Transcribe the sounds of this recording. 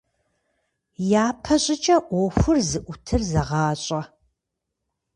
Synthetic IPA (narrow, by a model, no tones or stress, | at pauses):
jaːpʰɐɕʼɪt͡ʃʼɐʔʷɔxʷʊrzɨʔʷʊtʰɨrzɐʁɑːɕʼɐ